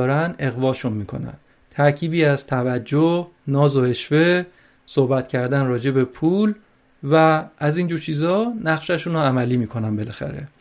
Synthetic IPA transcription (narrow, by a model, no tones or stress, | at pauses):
ɾænd̪ʔe̞ɣvɒːʃunmiːkʰo̞̰næ̰n | t̪ʰæɾcʰiːbiːæz̥t̪ʰævæd͡ʒːonɒːzoe̞ʃve̞ | sohbæt̪cʰæɾd̪ænrɒːd͡ʒe̞be̞pʰuːl | væʔæziːnd͡ʒuːɾt͡ʃʰiːzɒːnæχʃæʃuːnoæmæliːmiːkʰo̞nænbe̞læxæ̰ɾe̞̰